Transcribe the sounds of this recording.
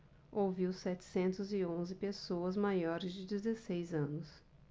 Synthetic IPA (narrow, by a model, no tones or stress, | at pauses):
oviwsɛt͡ʃɪ̥sẽnt̪ʊzɪõzɪpesoɐzmajɔɾɪzd͡ʒɪd͡ʒɪzesejzɐ̃nʊs